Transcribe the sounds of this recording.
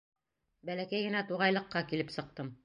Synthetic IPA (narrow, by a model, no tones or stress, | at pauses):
bælækæjɡɘ̆næt̪uʁɑjlˠɤ̆qːɑkilɘpsɤ̆q̚t̪ɤm